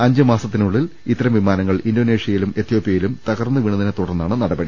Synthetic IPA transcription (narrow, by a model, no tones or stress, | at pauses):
ɐɲd͡ʑɐmaːsɐt̪ːinuɭːilit̪ːɐɾɐmʋimaːnɐŋːɐɭindoːneːʂijɐjilume̞t̪ʰːjo̞ːpːijɐjilumt̪ɐɣɐrnːɨʋiɳɐðinet̪uɽɐrnːaːɳɨnɐɽɐbɐɽi